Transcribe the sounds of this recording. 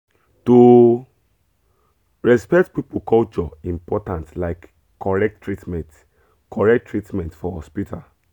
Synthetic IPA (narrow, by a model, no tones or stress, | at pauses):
tu | ɹɛspɛk̚tpipukɔlt͡ʃɔĩmpɔtãntlaɪkː | ɔɹɛk̚ttːɹitmɛ̃nt | kʰɔɹɛk̚tːɹitmɛ̃ntfɔhɔspitʰa